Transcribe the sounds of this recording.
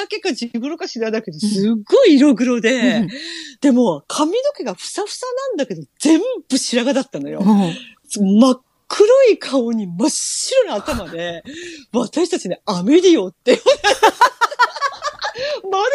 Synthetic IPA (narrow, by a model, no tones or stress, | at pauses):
ake̞kːad͡ʑiɡɯ̟ɾokaɕinad̪ake̞d̪o̞sɨɡo̞iːɾo̞ɡɯ̟ɾo̞d̪e̞ | d̪̥e̞mo̞kʰamʲino̞ke̞ɡaɸɯ̟̥saɸɯ̟̥sanãnd̪ake̞d̪o̞d͡zẽ̞mb̥ɯ̟ɕiɾaɡad̪at̪ːano̞jo̰ | omakʰːɯ̟ɾoikʰaoɲ̟imaɕːiɾonaat̪amad̪e̞βat̪aɕi̥t̪at͡ɕineame̞ɾʲiot̪ːe̞j | maɾ